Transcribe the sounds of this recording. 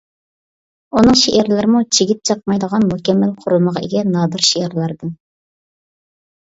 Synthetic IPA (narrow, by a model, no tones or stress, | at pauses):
unɨŋʃeʔæɾlɪɾɪmut͡ʃʰeɡʲit̪̚t͡ʃʰɑq̚mɑjd̪əʁɑnmukʲɛmːælqʰʊɾulˠməʁɑḛɡʲɛnɑːd̪ɨɾʃeæɾlˠɑɾɨd̪ɨn